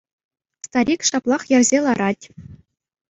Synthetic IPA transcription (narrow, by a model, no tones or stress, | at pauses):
st̪ɑɾʲikʂɑplˠɑχjɘ̆rʲzʲelˠɑɾɑtʲ